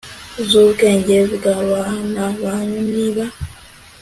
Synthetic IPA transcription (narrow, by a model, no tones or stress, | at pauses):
zuːkeːɲɟeziɡaβanaβaɲuniβa